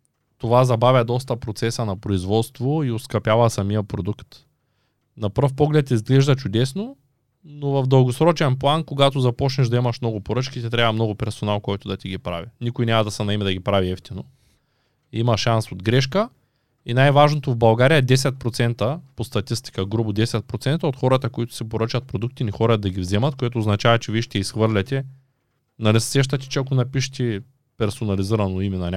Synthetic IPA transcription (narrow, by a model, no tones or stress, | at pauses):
t̪ovazɐbavʲjɐd̪ɔs̬t̪ɐpɾot̪sɛsənɐpɾoizvɔt̪st̪voioskɐpjavɐsɐmijəpɾod̪ukt̪ | nɐpɾfpɔɡlɛt̪izɡlɛʒd̪ɐt͡ʃʊd̪ɛsno | novɐvd̪ɐlˠɡosɾɔt͡ʃɛnplˠankoɡat̪ozɐpɔt͡ʃnɛʒd̪ɐimɐʃmnɔɡʊpoɾɤt͡ʃkʲit̪ɛt̪ɾʲabvɐmnɔɡʊpɛɾsonalˠkɔjt̪ʊd̪ɐt̪iɡipɾa̰vinikʊjnʲamɐd̪ɐsɛnɐɛmɛd̪ɐɡʲipɾaviɛft̪ino | imɐʃansod̪ɡɾɛʃkə | inajvaʒnot̪ovbɐlˠɡaɾijɐd̪ɛsɛt̪̚pɾot̪sɛnt̪ɐpost̪ɐt̪ist̪i̥kəɡɾubʊd̪ɛsɛt̪̚pɾot̪sɛnt̪ɐot̪xɔɾɐt̪ɐkoit̪ʊ̥sɛpoɾɤt͡ʃɐt̪̚pɾod̪uk̚t̪inixɔɾɐd̪ːɐɡʲivzɛmɐt̪̚koɛt̪oːznɐt͡ʃavɐt͡ʃɛviɛʃt̪ɛisxvɤɾlʲɐt̪ʲɛ | nɐlɛssɛʃ̬t̪ɐt̪̬ʲɛ̥t͡ʃɛakonɐpiʃt̪ʲɛ | pɛɾsonɐliziɾɐnoimɛnɐnʲa